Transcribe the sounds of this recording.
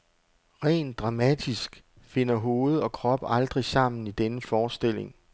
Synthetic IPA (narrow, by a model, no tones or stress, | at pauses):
ʁɛ̰ːnd̥ʁɑ̈mæd̥isɡ̥ | fe̝n̰ɐɦo̝ːð̞̩ˠɒ̽kʰʁɒ̽b̥ɑ̈ld̥ʁisɑ̈m̰n̩id̥enəfɒːsd̥e̝l̰e̝ŋ